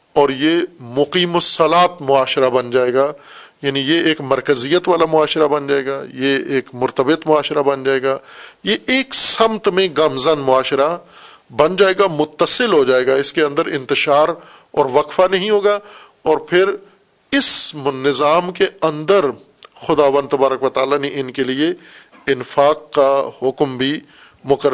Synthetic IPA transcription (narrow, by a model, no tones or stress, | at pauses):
ɔːɾjemʊqiːmʊsɐlaːt̪mʊaːʃɾabɐnd͡ʒaːeːɡaːjaːnĩjeeːkmɐɾkəzijət̪ʋaːlamʊaːʃɾabɐnd͡ʒaːeːɡaːjeeːkmʊɾt̪əbɪt̪mʊaːʃɾabɐnd͡ʒaːeːɡaːjeʔeːksɐmt̪mẽɡɐmzənmʊaːʃɾa | bɐnd͡ʒaːeːɡamʊt̪ːəsɪlɦod͡ʒaːeːɡaɪskeɐ̃nd̪əɾɪ̰̃nt̪ɪʃaːɾ | ɔ̰ːɾʋɐqfanɐɦĩɦoːɡa | ɔːɾpʰɪɾ | ɪsnɪzaːmkeɐ̃nd̪əɾ | xʊd̪aːʋə̃nd̪̚t̪ɐbaːɾəkʋɐt̪aːlaneʔɪnkelie | ɪnfaːqːahʊkmbʱi | mʊkəɾ